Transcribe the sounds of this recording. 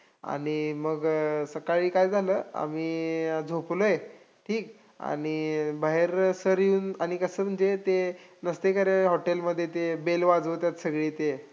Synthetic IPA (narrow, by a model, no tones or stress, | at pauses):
a̰ɽ̃iməɡsəkaɭiːkajd͡zʱaləːa̰miːd͡zʱoploje | ʈʰiːk | a̰ɽ̃ibaɦeɾsəɾjuːnaɽ̃ikəsəːm̤əɳd͡ʑet̪enəst̪ekəɾeɦɔʈelməd̪ʱːjet̪ebelʋad͡zʋot̪jat̪səɡɭiːt̪e